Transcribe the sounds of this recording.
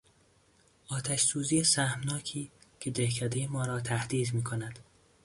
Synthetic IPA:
ɒːt̪ʰæʃsuːziːjesæhmnɒːcʰiːcʰe̞d̪ehkʰæd̪ejemɒːɾɒːt̪ʰæhd̪iːd̪miːkʰonæd̪̥

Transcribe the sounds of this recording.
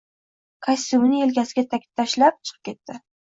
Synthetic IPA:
kʰasʲumnɪe̞lkʲasɪɡʲat̪ʰakʲʰɪ̥t̪ʰːaʃlap̚t͡ʃʰɨ̥qʰɨ̥p̚kʲʰe̞t̪ːɪ

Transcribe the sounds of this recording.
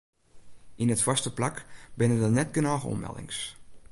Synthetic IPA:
ʔinətfɔstəplakbɪnədənɛtɡənɔːɣəɔ̰mɛ̰lˠdɪ̰ŋs

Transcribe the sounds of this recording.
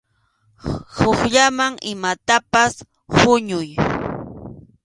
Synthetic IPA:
hʊχʎamaŋɪmat̪apas | hʊɲʊj

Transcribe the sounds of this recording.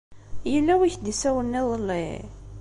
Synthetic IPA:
jəlːæwiçd̪isæwənːiðˤəlːḭ

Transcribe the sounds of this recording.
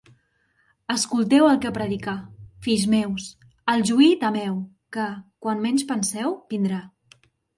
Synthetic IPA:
əskulˠt̪ɛwəlˠkəpɾəðikafizmɛws | əlˠʒuit̪əmɛw | kəkwanmɛɲʲspənsɛwbind̪ɾa

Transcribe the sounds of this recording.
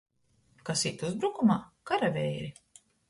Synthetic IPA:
kasit̪uzbɾukumaːkaɾavʲɛjɾi

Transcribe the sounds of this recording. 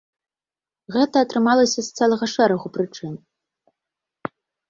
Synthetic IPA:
ɣɛt̪ɐːt̪rɨmalˠɐsʲɐst̪t͡s̪ɛlˠɐɣɐʂɛɾɐɣuprɨt͡ʂɨn

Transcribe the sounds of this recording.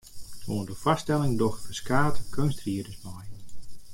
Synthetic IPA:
soːndəfastɛlˠɪŋdɔxfəskaːtəkʰønstriədəsmaj

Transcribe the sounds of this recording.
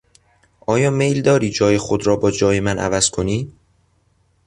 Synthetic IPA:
ʔɒːjɒːme̞jld̪ɒːɾiːd͡ʒɒːjexod̪ɾɒːbɒːd͡ʒɒːje̞mænʔæ̰væz̥kʰoniː

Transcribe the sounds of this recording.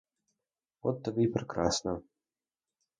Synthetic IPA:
ɔt̪ːɐbɨipɾɛkɾa̰snɐ

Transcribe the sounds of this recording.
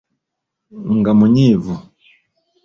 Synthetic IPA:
ŋɡamuɲivu

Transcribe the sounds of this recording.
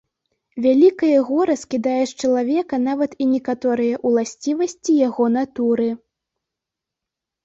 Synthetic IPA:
vʲalʲikɐjɐɣɔɾɐskʲid̪ajɛʂt͡ʂɐlˠavʲɛkɐnavɐt̪inʲɛkat̪ɔɾɨjɐʔulˠasʲt͡sʲivɐsʲt͡sʲijaɣɔnat̪uɾɨ

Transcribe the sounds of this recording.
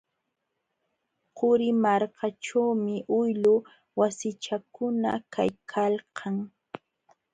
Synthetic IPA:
qʊɾɪmaɾkʰaʈ͡ʂawmɪʔʊjlʊ | wasɪt͡ʃakʊna̰ka̰jkʰalqʰɑŋ

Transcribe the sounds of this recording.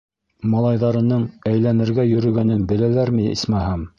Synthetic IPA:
mɑlˠɑjðɑɾɤ̆nɤɴæjlænɘ̆ɾɡæjɵ̆ɾɵ̆ɡænɘnbɘ̆lælæɾmɘḭsmæɦɑm

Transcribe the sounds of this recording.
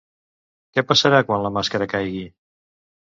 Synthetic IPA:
kɛpəsəɾakwanləmaskəɾəkajɣi

